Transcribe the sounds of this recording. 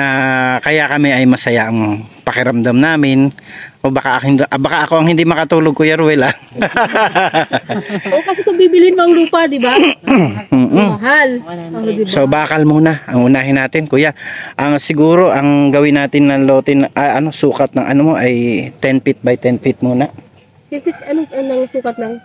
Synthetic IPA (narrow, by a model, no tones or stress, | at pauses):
akɐjakɐmɛɐjmɐsɐjaʔɐŋpɐkɪɾɐmd̪amnaːmɪnʔobɐkaɐhɪd̪ʔbɐkaʔɐko̞ʔɐŋhɪnd̪imɐkɐt̪uːloɡ̚kuːjaɾʊwɛlaŋ | okɐsɛkɐbiːbɪlɪɪnmɐɡluːpɐd̪ɪbaː | ʔɐɦald̪ɪsobaːkɐlmuːnaʔɐŋʊnaːɦɪnːaːt̪ɪnkuːjaʔɐŋsɪɡuːɾo̞ʔɐŋɡɐwɪnːaːt̪ɪnːɐŋlo̞ːt̪ɪnʔɐʔɐno̞suːkɐt̪̚nɐŋʔɐ̰nomo̞ʔɐjt̪ɛnpɪt̪̚bɐjt̪ɛnfɪt̪̚muːna | t̪ɛfɪt̪ɐnoɐnɐŋsuːkɐt̪̚nɐŋ